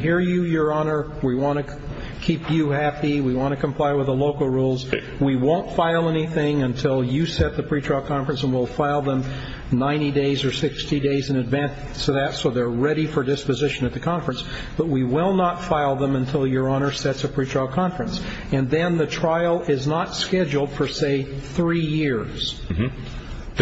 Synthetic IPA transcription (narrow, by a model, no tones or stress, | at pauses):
hiɹjɨjə˞ɑnə˞ | wiwɑ̃ñɨ | kʰipjɨhæpiwiwɑ̃ñɨkʰm̩pʰl̥aɪwəðəloʊkl̩ˠɹulˠz | wiwõʊ̃ntfaɪlˠɛniθɪ̃ŋɨ̃ntʰɪlˠjɨsɛt̪̚ðɨpʰɹ̥it͡ʃʰɹ̥ɔɪlˠkʰɑ̃ɱfɹə̃nsə̃nwilˠfaɪlˠðə̃m | nãɪ̃ñideɪzə˞sɪkstideɪzɨ̃nɨdvæ̃n | sʰɨðɨtsoʊðə˞ɹɛɾifə˞dɪspɨzɪʃɨ̃nɨt̪̚ðɨkʰɑ̃ɱfɹɨ̃ns | b̥ʌt̚wiwɪlˠnətfaɪlˠðə̃mə̃ntʰɪlˠjə˞ɑñə˞sɛtsɨpʰɹ̥it͡ʃʰɹ̥ɔɪlˠkʰɑ̃ɱfɹɨ̃ns | ɨ̃nðɨ̃nðɨtʰɹ̥aɪl̩ˠɪznətskɛd͡ʒl̩ˠd̥fə˞seɪθɹijɪɹz̥